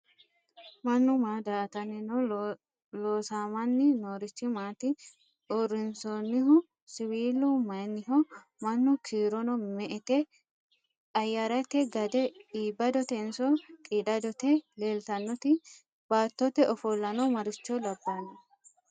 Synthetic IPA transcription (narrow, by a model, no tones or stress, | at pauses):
mɐnːʊmaːd̪aːt̪ɐnɪnɔ | loːsaːmɐnːɪnoːɾɪt͡ʃːɪmaːt̪ɪ | ʔɔɾːɪnsonːɪɦʊ | sɪwiːlʊmɐjnːɪɦɔ | mɐnːʊkʰiːɾɔnɔmɛʔɛt̪ɛ | ɐjːaɾɐt̪ɛɡɐd̪ɛiːbːɐd̪ɔt̪ɛnsɔkʼiːd̪ɐd̪ɔt̪ɛleːlt̪ɐnːɔt̪ɪ | b̥aːt̪ːɔt̪ɛʔɔfɔlːɐnɔmɐɾɪt͡ʃːɔlɐbːanːɐ